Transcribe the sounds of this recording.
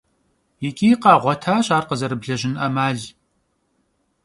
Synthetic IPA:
jɪkʲʼiːqɑːʁʷɔtʰaːɕʼaːrqəzɐɾɨbɮɐʑɪnʔɐmaːɮ

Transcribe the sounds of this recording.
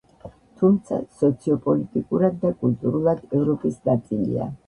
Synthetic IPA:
t̪ʰumt̪sʰa̰sɔt̪sʰiɔpʼɔlit̪ʼikʼuɾad̪ːakʼulˠt̪ʼuɾulˠad̪ɛvɾɔpʼisnat̪sʼilḭa̰

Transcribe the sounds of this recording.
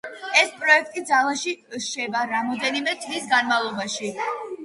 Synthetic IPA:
ɛspʼɾɔɛk̚ʰt̪ʼid̪zalˠaʃiʃɛbaɾamɔd̪ɛnimɛt̪ʰvisɡanmalˠɔbaʃi

